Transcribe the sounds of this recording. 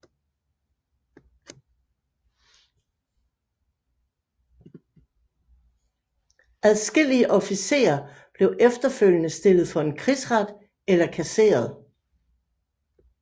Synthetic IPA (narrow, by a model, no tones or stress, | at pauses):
æðˠsɡ̥e̝l̰iəʔɒ̽fise̝̰ːɐ | b̥le̝ʊʔefd̥ɐføl̰jənəsd̥e̝lð̞̩ˠfɒ̽e̝nkʰʁisʁad̥ | elɐkʰæse̝̰ːɐð̞ˠ